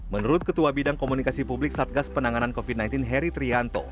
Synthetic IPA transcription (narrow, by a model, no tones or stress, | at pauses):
mənuɾʊt̪̚kət̪uabidaŋkomunikasipublɪk̚sat̪̚ɡaspənaŋanankofid̚najnt̪inɦɛɾit̪ɾiant̪o̰